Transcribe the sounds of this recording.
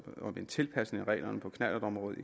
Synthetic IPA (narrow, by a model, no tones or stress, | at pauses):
ɒ̽ent͡sʰe̝lpʰæsne̝ŋæʁɛ̰ːlɐnəpʰɒ̽kʰnæd̥ɐd̥ɒ̽mʁɔ̽ːð̞̩ˠi